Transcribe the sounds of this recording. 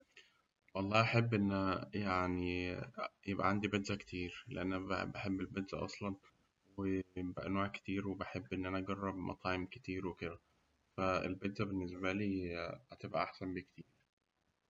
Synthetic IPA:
wɑlˤːɑːʔɑħebːʔenːjaʕni | jebʔæ̰ʕand̪ibed̪zækt̪ʰiːɾlḛʔænːæ̰beħebːelbed̪zæ̰ʔɑ̰sˤlɑn | wejebæ̰ʔænoːʕke̥t̪iːɾwebeħebːʔenːʔænæʔɑɡɑrˤːɑbmʔɑ̰t̪ˤɑːʕemke̥t̪iːɾweked̪æ | fæḛlbed̪zæbenːesbæliːhæt̪ebʔæ̰ʔaħsænbekt̪ʰiːɾ

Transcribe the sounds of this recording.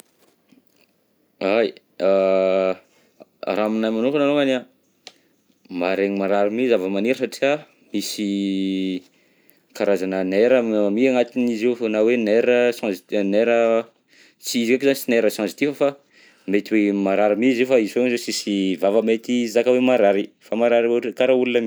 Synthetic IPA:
aj | a | ɾaminajmanukananoŋana | maɾeɲimaɾaɾimizavəmaniɾəsaʈ͡ʂia | misi | kaɾazanəneɾəmmiaŋat̪inizifonaweneɾəsɑ̃zneɾə | t͡siizikakizanisineɾəsɑ̃zi̥t̪ifəfa | met̪iwemaɾaɾimizifaizifeŋzosisivavəmet̪izakəwemaɾaɾifamaɾaɾioʈ͡ʂikaɾaulunəmi

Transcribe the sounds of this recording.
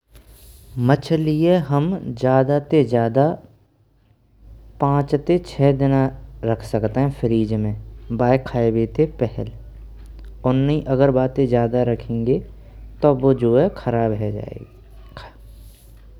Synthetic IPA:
mət͡ʃʰlieɦəmd͡ʒjaːd̪at̪ed͡ʒjaːd̪a | pãːt͡ʃt̪et͡ʃʰɛːd̪ɪnaɾɐkʰsɐkt̪eɦɛ̃fʰəɾiːd͡ʒmẽbaːjkʰːaːebeːt̪epɛɦɛl | ʊnːɦĩʔɐɡəɾbaːt̪ẽd͡ʒjaːd̪aɾɐkʰẽːŋɡe | t̪obod͡ʒoːɛkʰɐɾaːbɦɛa̰ːḛ

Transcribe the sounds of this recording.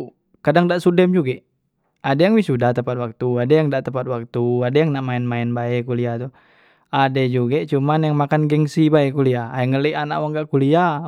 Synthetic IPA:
kadaŋdaʔsudɛmd͡ʒuɡɛʔ | adajaŋwisudaht̪əmpat̪̚wak̚t̪uadajaŋdaʔt̪əmpat̪̚wak̚t̪uadajaŋnaʔmaɛnmaɛnbaɛkuliat̪u | adɛd͡ʒuɡɛt͡ʃumanjaŋmakanɡɛŋsibaɛkuliaaɛŋələiʔana̰ʔwaŋɡaʔkulia

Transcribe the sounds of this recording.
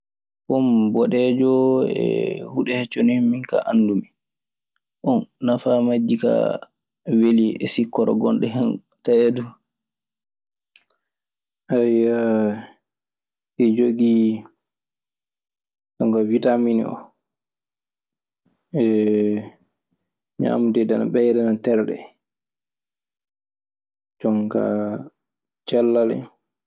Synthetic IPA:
hɔmbɔɗɛd͡ʒɔɛ̰huɗɛhɛt͡ʃːonimiŋka̰ʔandumi | ʔɔnːafamad͡ʒːika̰ | weliɛ̰sikːɔɾɔ̰ɡɔnɗɛɦɛn | taɛdu | ʔaja | ɛd͡ʒoɡi | t͡ʃɔŋkavitaminḭɔ̰ | ɛ | ɲa̰ːmudɛdana̰ɓɛjɾɛnantɛɾɗɛ̰ | t͡ʃɔŋka̰ | t͡ʃɛlːalɛ̰

